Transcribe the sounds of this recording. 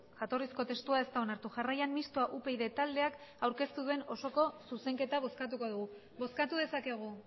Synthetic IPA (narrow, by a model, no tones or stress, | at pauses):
ʝat̪o̞risko̞t̪e̞st̪uae̞st̪ao̞naɾt̪uʝarajammist̪oaʔupe̞jðe̞t̪ald̪e̞akawɾke̞st̪uðue̞no̞so̞ko̞suse̞ŋke̞t̪aβ̞o̞skat̪̬uko̞ðuɣ̞u | βo̞skat̪uðe̞sake̞ɣ̞u